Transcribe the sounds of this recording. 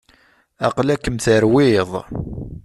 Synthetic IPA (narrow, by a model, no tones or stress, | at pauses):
ɑqlækːəmθəɾwɪðˤ